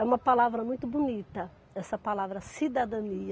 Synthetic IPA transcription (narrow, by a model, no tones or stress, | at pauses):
ɛũmɐpalavɾɐmũj̃t̪ʊbunit̪ɐ | ɛsɐpalavɾɐsid̪ad̪ɐ̃niɐ